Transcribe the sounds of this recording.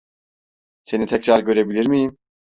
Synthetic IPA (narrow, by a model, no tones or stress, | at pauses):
senit̪ʰɛcʰɾaɾɟø̞ɾebilʲiɾmijim